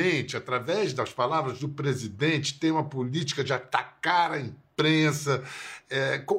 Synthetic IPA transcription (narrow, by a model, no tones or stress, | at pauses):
ẽt͡ʃɪat̪ɾavɛzd̪ɐspalavɾɐzd̪ʊpɾezid̪ẽnt͡ʃɪ̥t̪ẽj̃ũmɐpulit͡ʃi̥kɐd͡ʒɪat̪akaɾɐĩpɾẽsɐɛkõ